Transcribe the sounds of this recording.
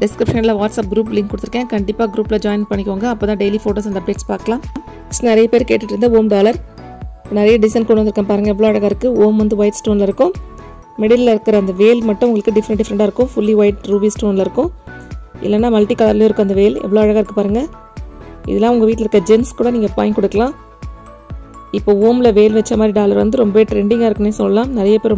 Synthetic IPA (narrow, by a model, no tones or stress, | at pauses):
ɖɪskɾɪpʂɐnɪlɐʋaːʈsɐp̚ɡɾuːp̬lɪŋkːʊɽt̪ːɪɾkːẽːkɐɳɖɪpːaːɡɾuːpɪlɐd͡ʒaːɪnpɐɳːɪkʲːoːŋɡɐɐpːoːt̪ãːɖeɪlifoːʈoːs̬ɐnd̪ɐp̚ɖeːʈspa̰ːɾkɐlãː | nɪɾɐjɐpeːɾkeːʈːɪʈːɪɾɯnd̪ɐoːmɖaːlɐɾ | nɪɾɐjɐɖɪsɐnkuɽɐʋɐnd̪ɯɾɯkːɐ̃paːɾɯŋɡɐɛʋːɐɭoːɐɻɐɣaɪɾɯkːɯoːmʋɐnd̪ɯʋɐɪʈsʈoːnɪlɐɪɾɯkːʊ̃ | mɛɽɪllɐɪɾɯkːɪɾɐːnd̪ɐʋeːlmɐʈːʊ̃ʊŋɡɐɭɯkːɯɖɪfɾɛʈːɪfɾɛɳʈaːɪɾɯkːʊ̃fʊlːiʋɐɪʈɾuːbiːsʈoːnlɐɪɾɯkːʊ̃ | ɪ̰lːɛnːaːmɐlʈikɐːlɐɾljoːɪɾɯkːɐ̃ɐnd̪ɐʋeːlɛ̰ʋːɐɭoːɐɻɐɣaɪɾɯkːɯpaːɾɯŋɡɐ | ʔɪ̰ðɛlːãːʊŋɡɐʋiːʈlɪɾɯkɾɐd͡ʒɛnskuːɽɐniːŋɡɐpa̰ːɪnkɔɽɯkːɐlãː | ɪpːoːoːmlɐʋeːlʋɛt͡ʃːɐmaːd̪ɾiɖaːlɐɾʋɐnd̪ɯɾɔmbɐʋeʈɾɛɳɖɪŋɡaːɪɾɯkːɐmeːsɔlːɐlãːnɪɾɐjɐpeːɾ